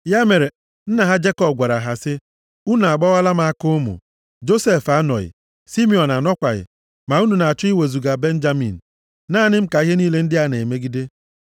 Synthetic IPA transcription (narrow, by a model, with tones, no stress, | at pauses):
ja˦me˨ɾe˨ | n̩˦na˨ɦa˦d͡ʒe˦kɔ˨b̚ɡʷa˨ɾa˨ɦa˨sɪ˦ | u˦n˨a˨ɡ͡bɔ˦a˦la˦ma˨a˦kʊ˦mṵ˨ | d͡ʒo˦se˨fa˦nɔ̰˨ɣɪ̰˨ | si˦mi˦˨ɔ˨na˨nɔ˦kʷa˨ɣɪ̰˨ | ma˨u˦nu˨na˨a˨tʊ˦i˦we˨zu˨ɡa˨be˦n̩˦d͡ʒa˦mḭ˨n̩˨ | naː˦˨nɪ˦m̩˦ka˨i˦ɦe˦niː˦le˦n̩˦dɪ˦a˦˨ne˨me˦ɡi˦de˦